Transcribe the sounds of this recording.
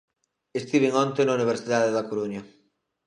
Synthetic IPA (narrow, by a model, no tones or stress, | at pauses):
est̪iβeŋɔ̃nt̪enauniβ̞eɾsiðaðeðakoɾuɲɐ